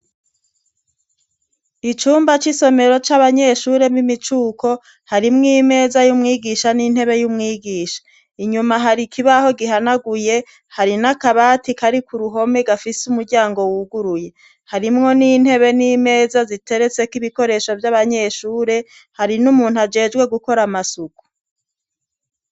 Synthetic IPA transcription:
it͡ʃuːmbat͡ʃiso̞me̞ɾo̞t͡ʃaβaɲe̞ʃuːɾe̞mimit͡ʃuːko̞ | haɾimŋiːme̞ːzajumŋiːɡiʃaniːn̥he̞βe̞jumŋiːɡiːʃḁ | iɲumaɦaɾikʰiβaho̞ɡiɦanaɡuje̞ | haɾinakaβaːtikaɾikuɾuɦo̞me̞ɡafisumuɾɟaːŋɡo̞wuɡuɾuje̞ | haɾimŋo̞niːn̥he̞βe̞niːme̞ːzazite̞ɾe̞t͡se̞kiβiko̞ɾe̞ʃo̞vjaβaɲe̞ʃuːɾe̞ | haɾinumuːn̥huad͡ʒe̞ːd͡ʒɡwe̞ɡuko̞ɾamasuku̥

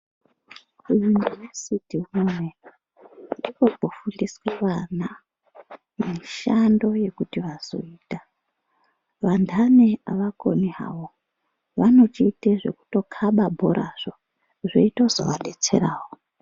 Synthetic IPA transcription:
ujunivesitimume | rikobʱofundisweʋana | miʃando̞je̞kutiʋaz̥o̞̰iːta | ʋandʰʱaneaʋako̰niɦa̰wo | ʋano̞t͡ʃiːteʐe̞̰ku̥to̞kʰaɓabʱoɾaʐ̥o | ʐḛitozo̰ʋanet͡se̞̰ɾaːwo

